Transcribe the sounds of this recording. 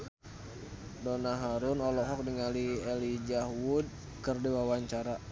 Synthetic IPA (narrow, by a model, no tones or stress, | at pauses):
donaɦaɾʊnɔlɔɦɔk̚diŋaliɛlid͡ʒahwud̚ | kərdiwawaɲt͡ʃaɾa